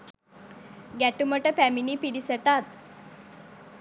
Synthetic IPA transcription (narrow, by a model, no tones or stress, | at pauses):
ɡɛʈuməʈəfɛminipiɽisəʈat̪